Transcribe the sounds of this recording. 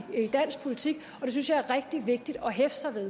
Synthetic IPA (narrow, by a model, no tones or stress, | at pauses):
d̥æn̰sɡ̥̚pʰolit͡sʰiɡ̥ | ɒ̽d̥e̝s̬ynsɕjɑ̈æɐʁɛɡ̥̚d̥iʋe̝ɡ̥̚d̥id̥ɒ̽ɦefsɑ̈ʋeðˠ